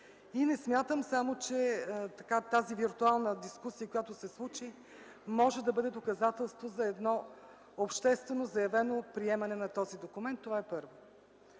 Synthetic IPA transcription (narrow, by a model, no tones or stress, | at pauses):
inɛsmʲjat̪əmsamot͡ʃɛt̪ɐkat̪aziviɾt̪ualˠnəd̪iskusijəkojat̪ʊsɛslˠut͡ʃi | mɔʒɛd̪ɐbɤd̪ɛd̪okɐzat̪ɛlˠst̪vozɐɛd̪nɔ | opʃt̪ɛst̪vɛnozɐjɐvɛnopɾiɛmɐnɛnɐt̪ɔzid̪okumɛnt̪ːovaɛpɤɾvo